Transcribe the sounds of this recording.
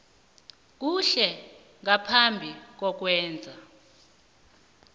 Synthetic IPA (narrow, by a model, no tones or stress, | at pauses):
k̬uɬɛ | ŋapʰambʱik̬ɔk̬wɛːnd͡zʱa